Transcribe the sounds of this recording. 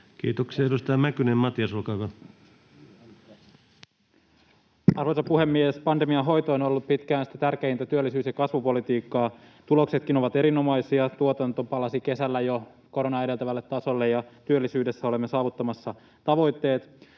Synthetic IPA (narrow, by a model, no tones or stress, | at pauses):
kḭːt̪oksiɑedust̪ɑɑmækynemmɑt̪iɑsolkɑːkɑ | ɑrʋoisɑpuɦe̞mːiespɑnd̪emiɑɦo̞jt̪oːno̞lːuppit̪kæːnsi̥t̪æt̪ærkeint̪æt̪yølːisyːsjɑkɑsʋupo̞lit̪iːkːɑː | t̪ulo̞kse̞t̪k̟ino̞ʋɑt̪e̞ɾino̞mɑjsiɑt̪uot̪ɑnt̪opɑlɑsike̞sælːæjo | ko̞ɾonɑjedelt̪æʋælːet̪ːɑso̞lːejɑt̪yølːisyːde̞sːæole̞mːesɑːʋut̪ːɑmɑsːɑ | t̪ɑʋo̞jt̪ːe̞ːt̪